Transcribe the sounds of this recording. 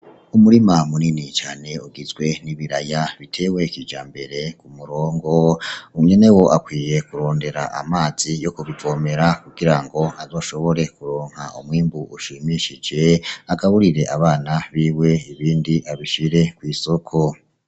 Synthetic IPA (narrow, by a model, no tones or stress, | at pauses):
umuɾimamuninit͡ʃaːne̞uɡizɡwe̞niβiɾajaβitʰe̞we̞kiːd͡ʒa̰ːmbe̞ɾe̞kumuɾoːŋɡo̞uɲe̞ne̞wo̞ʔakwiːje̞kuɾo̞ːnde̞ɾaʔamaːz̥ijo̞kuβivo̞ːme̞ɾakuɡiɾaŋɡo̞azo̞ːʃo̞βo̞ɾe̞kuɾoːŋ̥haumwiːmbuʔuʃimiʃid͡ʒe̞aɡaβuɾiɾe̞ʔaβaːnaβiːwe̞iβiːndiʔaβiʃiɾe̞kwiːso̞kʰo̞